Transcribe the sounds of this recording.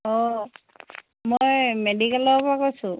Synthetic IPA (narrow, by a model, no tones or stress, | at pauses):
ɔ | mojmedikalɔpakojsʊ̃